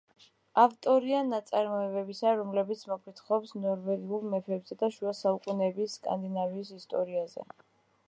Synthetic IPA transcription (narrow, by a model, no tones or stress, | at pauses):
aft̪ʼɔɾianat̪sʼaɾmɔɛvɛbisaɾɔmlɛbit̪sʰmɔpʰʼit̪ʰχɔpsnɔɾvɛɡiulˠmɛpʰɛbzɛd̪aʃuasaukʼunɛbisːkʼa̰nd̪inaviːsist̪ʼɔ̰ɾiazɛ̰